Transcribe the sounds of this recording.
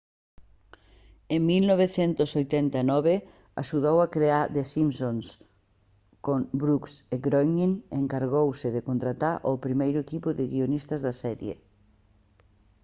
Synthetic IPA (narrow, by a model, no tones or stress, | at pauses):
eŋmilnɔβ̞eθɛnt̪ʊsojt̪ɛnt̪anɔβe | a̰ʃuð̞owakɾeaɾd̪esimsons | koŋbɾukseɡɾojniŋeŋkaɾɣ̞owsɪðɪkont̪ɾat̪aɾʔopɾimejɾʊekipʊðɪɣionist̪ɐzðɐsɛɾjḛ